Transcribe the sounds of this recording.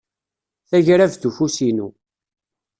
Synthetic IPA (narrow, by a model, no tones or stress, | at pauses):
θæʝɾævθufusinu